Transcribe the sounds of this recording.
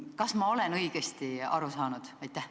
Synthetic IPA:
kɑsmɑo̞le̞nɤjɡ̥est̪iɑ̰ɾusɑːnud̪̥ɑjt̪ːˑæh

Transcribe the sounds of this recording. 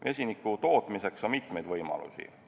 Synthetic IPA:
ʔe̞sʲinikːut̪o̞ːt̪ˑmise̞ksonmit̪me̞jd̪vɤjmɑ̰lṵsʲḭ

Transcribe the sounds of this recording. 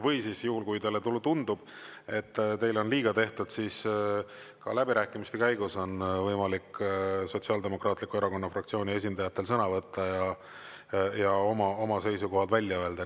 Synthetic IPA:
vɤjsisjuhulkujt̪elet̪ulut̪und̪ub̥ | e̞t̪ːt̪e̞jlo̞nliːɡ̥ɑt̪e̞ht̪ud̪̥sis | kɑlæbiɾæːkːˑimist̪e̞kæjɡ̥uso̞nvɤjmɑlikːso̞tsiɑːld̪e̞mo̞krɑːt̪ˑlikːˑue̞ɾɑko̞nːɑfrɑkt̪sio̞ːnʲie̞s̬ʲind̪ɑjɑt̪ːˑe̞lsɤnɑvɤt̪ʰːɑjɑ | jɑo̞mɑo̞mɑse̞jsuko̞ɦɑt̪vælʲːjɑø̞e̞ld̪̥ɑ

